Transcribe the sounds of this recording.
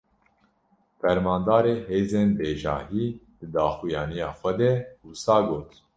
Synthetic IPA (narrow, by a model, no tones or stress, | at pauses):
fɛɾmɑːnd̪ɑːɾeːheːzeːnbeːʒɑ̰ːɦiːd̪̥ɨd̪ɑːxijɑːnijɑːxʷɛd̪ɛhusɑːɡoːt̪